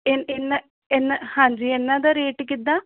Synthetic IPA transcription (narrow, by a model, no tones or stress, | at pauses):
enenːa | enahãːd͡ʒiːenːãːd̪aːɾeːʈk̬ɪd̪ãː